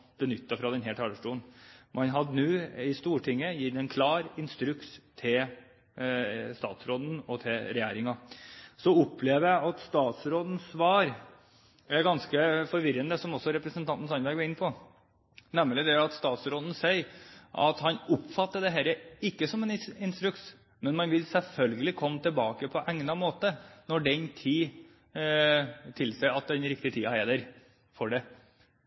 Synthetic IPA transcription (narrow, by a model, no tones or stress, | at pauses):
b̥ənʏt̪ːɑfɾɑd̪ɛnɦæːʈʰɑːləʂʈuːənmʔɑnɦɑd̪nʉːɪst̪uːʈʰɪŋːəjɪt̪ːɛnkʰlɑːɾɪnst̪ɾʉkst̪ʰɪl | st̪ɑ̰ːt̪sɾoːd̪n̩ɔt̪ʰɪlɾɛjæːɾɪŋɑsɔʊpːʰleːʋəjæɪʔɑt̪st̪ɑːt̪sɾoːd̪n̩sʋɑːɾ | æɾɡɑnskəfɔɾʋɪɾənd̪əsɔmɔsːɔɾɛpɾəsənt̪ʰɑnt̪n̩sɑnlʋæɪɡʋɔɾɪnːpʰɔ | nɛmːlɪd̪ɛɑt̪st̪ɑːt̪sɾoːd̪n̩sɛɪʔɑ̰t̪hɑnʊpːfɑt̪ːəd̪ɛɦæːɾəɪkːəsɔmɛnɪnst̪ɾʉks | mɛnmɑnʋɪlsɛlfœlɡəlɪkʰɔmːət̪ʰɪlbɑːkəpʰɔʔɛŋnɑmoːt̪ənɔɖɛnt̪ʰiː | t̪ʰɪlsæɪɑt̪̚d̪ɛnɾɪk̚t̪ɪt̪ʰiːɑhæd̪æɾ | fɔɖɛ